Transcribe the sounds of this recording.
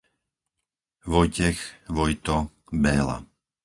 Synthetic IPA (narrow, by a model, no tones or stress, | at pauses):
ʋɔjcɛxʋɔjt̪ɔ | bɛːla̰